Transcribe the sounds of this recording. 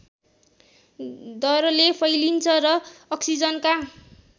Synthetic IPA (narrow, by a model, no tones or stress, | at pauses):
d̪ʌɾʌlepʰʌjlint͡sʰʌɾʌːksid͡zʌnka